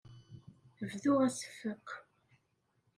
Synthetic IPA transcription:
əvðʊʁæsfəqː

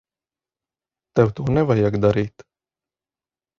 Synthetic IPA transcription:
t̪ɛwt̪uɔnɛvajakd̪aɾiːt̪

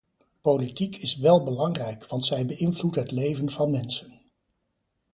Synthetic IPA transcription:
politikɪsʋɛlˠbəlɑŋrɛjkʋɑntsɛjbəɪnvlutɦətlejvənvɑnmɛnsən

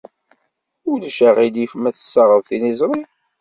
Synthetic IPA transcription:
ʊləʃəʁid̪ifmæθə̥sːɑʁˤəðˤθinizˤɾˤi

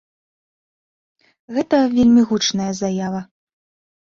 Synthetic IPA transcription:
ɣɛt̪ɐvʲelʲmʲiɣut͡ʂnɐjɐzɐjavɐ

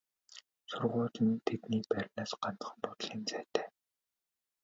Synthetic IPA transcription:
sʊrʁʊːɮə̆nt̪ʰet̪niːpæɾʲnaːsɢant̪ə̥̆χ̆mpʊt̪̆ɮiːnt͡sæːt̪ʰæː

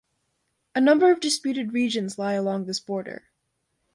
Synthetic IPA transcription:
ɨnʌ̃mbə˞ʌvdɨspjʉɾɨd̚ɹid͡ʒɨ̃nzlaɪəlɔ̃ŋðɪsb̥ɔɹɾə̰˞

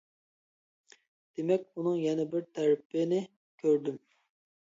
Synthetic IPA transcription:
d̪̥emɛkʲunɨŋjɛnɛbɪɾt̪ʰæɾɪpːɪnɪ | kʲʰøɾd̪ym

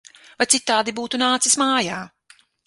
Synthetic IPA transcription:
vajt̪sit̪ːaːd̪ibuːt̪unaːt̪sismaːjaː

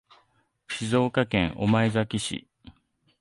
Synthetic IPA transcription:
ɕizo̞ːkakẽ̞ɰʔo̞̰maezakʲiɕḭ

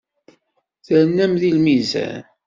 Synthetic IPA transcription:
θəɾənːæmðilmizæ̰n

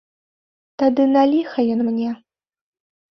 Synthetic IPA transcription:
t̪ad̪ɨnalʲixɐjɔnmnʲɛ

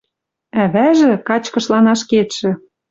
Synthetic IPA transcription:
æβæʒĕkɑt͡ɕkɤ̆ʃlɑnɑʃket̪ʃɘ̆

